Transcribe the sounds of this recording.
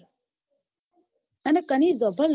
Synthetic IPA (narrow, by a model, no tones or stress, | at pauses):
ənəkanizɔbəl